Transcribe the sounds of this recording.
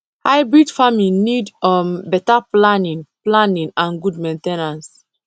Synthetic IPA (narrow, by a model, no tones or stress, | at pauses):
hajbɹidfaminidɔmbɛtaplanĩŋplãnĩŋãnɡudmẽntenãns